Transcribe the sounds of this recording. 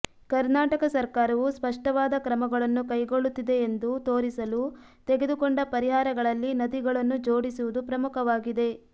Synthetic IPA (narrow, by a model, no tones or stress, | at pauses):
kɐɾnaːʈɐkɐsɐɾkaːɾɐʋuspɐʂʈɐʋaːd̪ɐkɾɐmɐɡɐɭɐnːukɐjɡo̞ɭut̪ːid̪e̞ːnd̪ut̪o̞ːɾisɐlu | t̪eɡe̞d̪ukoɳɖɐpɐɾiɦaːɾɐɡɐɭɐlːinɐd̪iɡɐɭɐnːud͡ʒoːɽisuʋud̪upɾɐmukɐʋaːɡid̪e̞